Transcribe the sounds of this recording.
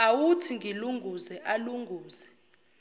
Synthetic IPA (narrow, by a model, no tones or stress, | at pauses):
awutʰiŋɡʱiluŋʱuzɛʔaluŋɡʱuːzɛ